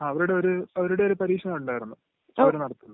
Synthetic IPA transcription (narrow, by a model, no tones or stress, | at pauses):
aːɐʋɐɾuɽe̞o̞ɾuɐʋɐɾuɽe̞oɾupɐɾiːkʂɕɐnɐuɳɖaːjɾunːu | ɐʋɐɾenɐɽɐt̪ːunː